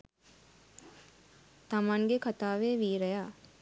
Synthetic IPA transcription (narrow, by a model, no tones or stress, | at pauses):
t̪ɐmaŋɡekʰɐt̪aːʋeːʋiːɾɐjaː